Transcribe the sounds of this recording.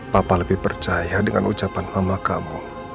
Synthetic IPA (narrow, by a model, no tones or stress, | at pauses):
papaləbɪhpərt͡ʃajadəŋa̰nut͡ʃapanhamaka̰mu